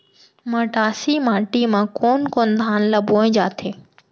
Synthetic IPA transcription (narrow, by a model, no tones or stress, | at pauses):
məʈaːsiːmaːʈimãːkoːnkoːnd̪ʱaːnlɐboːẽd͡ʒaːt̪ʰeː